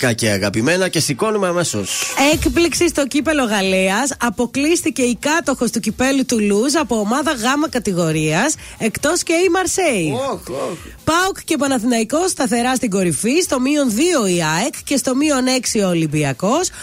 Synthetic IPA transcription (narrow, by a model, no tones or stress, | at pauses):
kɐceɐɣɐpime̞nɐce̞siko̞numeɐme̞so̰se̞kpliksist̪o̞cipe̞lo̞ɣɐleɐsɐpo̞klisθice̞ikɐt̪o̞xo̞st̪ucipe̞lut̪uluzɐpo̞ːmɐðɐɣɐmɐkɐt̪iɣo̞ɾiɐs | e̞kt̪o̞sceimɐɾsei | pɐukce̞p̬ɐnɐθinɐiko̞st̪ɐθe̞ɾɐst̪iɡo̞ɾifist̪o̞mio̞nðio̞iɐekce̞st̪o̞mio̞ne̞ksio̞limbiɐko̞s